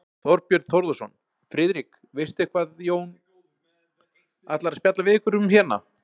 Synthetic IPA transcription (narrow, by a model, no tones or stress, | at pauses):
θɔɾpjœɾt̪̚θɔɾðʏsɔn | fɾɪːðɾik | vɪst̪ɪhkvaːðjoːwn | at̪laɾaspjat̪lavɪːkʏɾʏmçɛːna̰